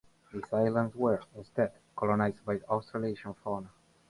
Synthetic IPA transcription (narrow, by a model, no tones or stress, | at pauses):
ðisajlə̃ndzwəɹɪ̃nst̪ɛd | kʰɔlɔnajzd̪̚bajast̪ɾaleʃɔ̃nfɔn